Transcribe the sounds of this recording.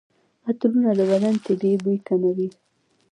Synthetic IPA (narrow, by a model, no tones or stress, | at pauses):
at̪lunad̪əbad̪ant̪edebit̪anawi